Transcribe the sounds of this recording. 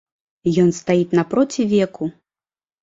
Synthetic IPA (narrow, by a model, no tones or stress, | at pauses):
jɔnst̪ajit̪nɐpɾɔt͡sʲivʲɛku